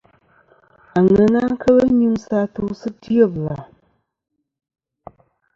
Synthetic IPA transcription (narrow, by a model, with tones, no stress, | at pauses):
a˨ŋɛ˨na˦ŋ̩˦kʰə˦lə˦ɲu˦msa˦to˦sɨ˦ti˦ə˦˨bla˨